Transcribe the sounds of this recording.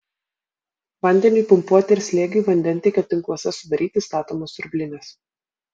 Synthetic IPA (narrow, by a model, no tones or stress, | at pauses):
ʋɐnʲd̪ʲɛnʲuːˑpʊmpuɔt̪ʲɪɪɾʲsʲlʲeːɡʲɪjuːʋɐnʲd̪ʲɛnʲt̪ʲɛɪkʲɛt̪ʲɪŋklˠoɔsʲɛsʊd̪ɐɾʲiːt̪ʲɪst̪ɑːt̪oːmoːsʊɾʲbʲlʲɪnʲes